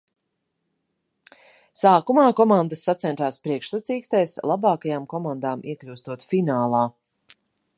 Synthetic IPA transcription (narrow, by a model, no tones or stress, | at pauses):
saːkumaːkɔmand̪əsːat̪sɛnt̪aːspɾiɛkʃsat̪siːkst̪ɛjslˠabaːkajaːmkɔmand̪aːmiɛklʲuwst̪uɔt̪finaːlˠaː